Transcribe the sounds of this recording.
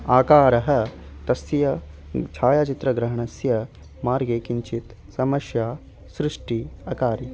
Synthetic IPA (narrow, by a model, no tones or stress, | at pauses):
aːkaːɾɐɦɐ̆t̪ɐsjɐt͡ʃʰaːjaːt͡ʃit̪ɾɐɡɾɐɦɐɳɐsjɐ | maːɾɡeːkiɲt͡ʃit̪ | sɐmɐʃjaː | sɾɪʂʈiɐkaːɾi